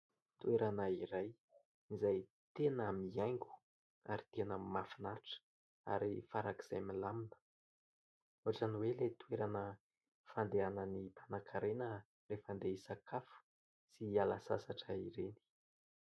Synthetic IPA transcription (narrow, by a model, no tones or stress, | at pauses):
t̪ueɾanəiɾaj | izaj | t̪enamiajŋɡu̥ | aɾit̪enəmafinaʈ͡ʂə̥ | a̰ɾifaɾaki̥z̥ajmilaminə̥ | oaʈ͡ʂaniwelet̪ueɾanə | fand̪eanənipʰanakʰaɾenə | refand̪eisakʰafu̥ | sialasa̰saʈ͡ʂəiɾeni̥